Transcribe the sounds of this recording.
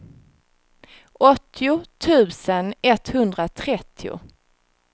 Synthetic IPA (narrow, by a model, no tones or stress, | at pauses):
ʔɔt̪ʰːɪʊt̪ʰʉ̟ːsənɛt̪ːhɵnd̪ɾat̪ʰɾɛt̪ʰːɪʊ̰